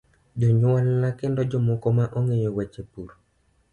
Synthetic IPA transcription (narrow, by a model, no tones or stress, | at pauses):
d͡ʒɔɲwalnakɪndɔd͡ʒɔmɔkɔmaʔɔŋeɲɔwɛt͡ʃepuɾ